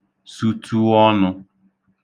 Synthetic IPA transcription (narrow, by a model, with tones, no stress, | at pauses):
su˦tu˦ɔ˦nʊ˦